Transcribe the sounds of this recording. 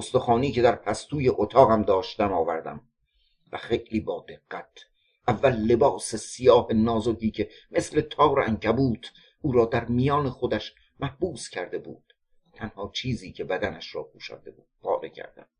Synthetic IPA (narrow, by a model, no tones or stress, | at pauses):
ost̪oxɒːniːce̞d̪æɾpʰæst̪uːjeʔot̪ʰɒːɣæmd̪ɒːʃt̪æmɒːvæɾd̪æ̰m | væ̰xejliːbɒːd̪e̞ɡːæt̪ʰ | ʔævːælːe̞bɒːsesijɒːhenɒːzoɡiːcʰe̞mesle̞t̪ʰɒːɾʔæŋcʰæbuːt̪ʰ | ʔuːɾɒːd̪æɾmijɒːneχod̪æʃ | mæhbuːscʲʰæɾd̪e̞bṵːd̪̥ | t̪ʰænhɒːt͡ʃʰiːziːcʰe̞bæd̪ænæʃɾɒ̰ːpʰuːʃæ̰d̪ebuːd̪̥pʰɒ̰ːɾḛcʰæ̰ɾd̪æ̰m